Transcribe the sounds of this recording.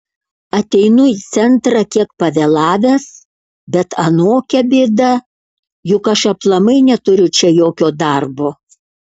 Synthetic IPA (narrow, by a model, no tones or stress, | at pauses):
ɐt̪ʲɛɪnʊit̪sʲɛnt̪ɾɐkʲiɛkpɐʋʲeːlˠɑːʋʲæːs | bʲɛt̪ɐnoːkʲɛbʲɪːd̪ɐ | jʊkɐʃɐplˠɐmɐɪnʲɛt̪ʊɾʲʊt͡ʃʲɛjoːkʲoːd̪ɐɾboː